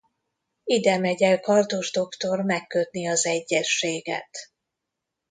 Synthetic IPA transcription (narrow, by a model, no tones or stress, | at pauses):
id̪ɛmɛɟɛlkɒrt̪oʒd̪o̞kt̪o̞rmɛkːøt̪̚niɒzɛɟːɛʃːeːɡɛ̰t̪